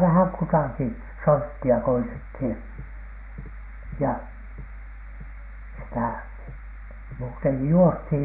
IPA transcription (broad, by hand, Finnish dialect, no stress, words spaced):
ʋæhæŋ kutɑˑki sortːiɑ koitethiˑn̥ jɑ sitæˑ muːteŋki juosthiˑj